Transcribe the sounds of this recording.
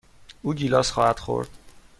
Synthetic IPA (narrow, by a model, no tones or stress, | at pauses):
uːɟiːlɒːsχɒːhæd̪̥χo̞̰ɾd̪̥